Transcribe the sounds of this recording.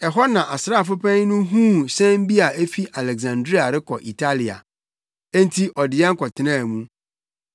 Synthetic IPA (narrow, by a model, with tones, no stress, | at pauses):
ɛ˨ɦɔ˦nã˨ʔa˨sɾaː˦˨fʊ˦pʰɛ̃˦n˦nʊ̃˦ɦũː˦sɛ̃˦m˦bi˦a˨e˦fi˦ʔa˨lɛ˨ɡsã˨ndɾi˦a˨ɾɪ˦kʰɔ˨ʔi˨tʰa˦li˨a̰˨ | ẽ˦n˦tʰi˦ʔɔ˨dɪ˨ɛ̃˦ŋ̩˦kʰɔ˨tʰɪ˨nã˦˨mũ˦